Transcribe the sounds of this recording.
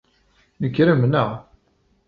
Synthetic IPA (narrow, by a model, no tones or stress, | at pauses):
nəkːɾəmnəʁ